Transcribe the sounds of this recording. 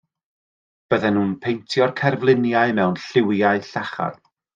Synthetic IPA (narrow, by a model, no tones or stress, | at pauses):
b̥əðɛnhuːnpʰejntʰjɔrkʰɛrvlˠɪnjaɨmɛwnɬɪwjaɨɬaχa̰r̥